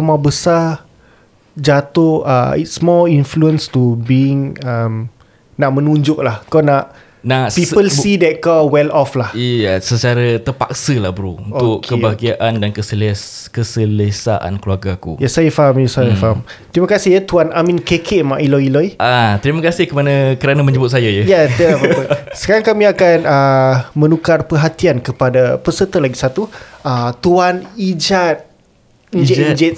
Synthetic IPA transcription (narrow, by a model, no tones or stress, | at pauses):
əmabəsa | d͡ʒat̪ʊa̰ḭtsmɔlinfluənst̪ubiɪŋam | naʔmə̃nũɲd͡ʒʊʔlahkawnaʔ | naʔpipəlsidɛt̪̚kawwɛlɔflahiasət͡ʃaɾat̪əpa̰ksəlahbɾuunoʊʔkʰkːəbaɡiaʔandankəsəl | kəsələsa̰ʔa̰nkluarɡakṵjasajafaɦamjasajəfaɦam | t̪ɾimakasɪhjat̪uanʔamĩnkekʰeʔmãʔilɔilɔiʔat̪ɾimakasɪhkəmanakəɾanãmə̃ɲd͡ʒəbʊt̪̚sajajajat̪ialabət̪ʊlsə̥kaɾaŋkamĩakanəmə̃nukarpərɦat̪iankəpadapəsət̪əlaɡisat̪uət̪uanid͡ʒat̪̚ | iɲd͡ʒd͡ʒɛt̪̚